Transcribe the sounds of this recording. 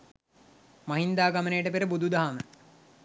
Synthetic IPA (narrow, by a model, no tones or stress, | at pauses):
maɦind̪aːɡamənejəʈəpeɾəbud̪ʱud̪aɦamə